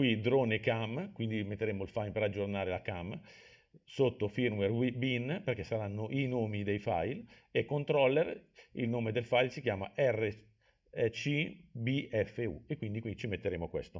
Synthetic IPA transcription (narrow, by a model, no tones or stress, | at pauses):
kwid̪ɾoːnekamkwind̪imet̪ːeɾeːmoilfajlpeɾad͡ʒːornaːɾelakam | sot̪ːofirmerwibinperkesaɾanːoʔinoːmid̪ejfa̰jl | ekːont̪ɾɔlːerḭlnoːmed̪elfajlsikjaːma̰ʔɛrːe | t͡ʃibiɛfːeṵekːwind̪ikwindt͡ʃimet̪ːeɾeːmokwḛst̪o